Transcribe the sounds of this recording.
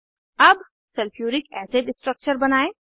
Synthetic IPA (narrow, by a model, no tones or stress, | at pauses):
ɐb | sɐlpʰjuːɾɪkɛːseɖɪsʈɾək̚t͡ʃəɾbɐnaːeː